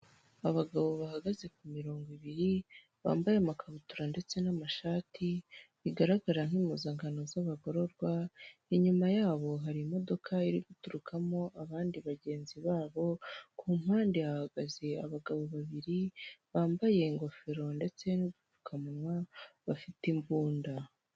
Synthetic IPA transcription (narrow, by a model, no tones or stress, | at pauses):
aβaɡaβo̞βahaɡaze̞kumiɾo̞ːŋɡiβiɾi | βa̰ːmbajemakʰaβutuɾande̞t͡se̞namaʃaːtʰiβiɡaɾaɡaɾan̥iːmuzaːŋɡano̞zaβaɡo̞ɾo̞ɾɡwaiɲumajaːβo̞ɦaɾimo̞do̞kʰaiɾiɡutuɾukʰamo̞ʔaβaːndiβaɟe̞ːnziβaːβo̞kʰuːm̥haːndijahaɡaze̞aβaɡaβo̞βaβiɾiβaːmbaje̞ŋɡo̞feɾo̞nde̞t͡se̞nuɡutu̥kʰamunwaβafitimbuːnda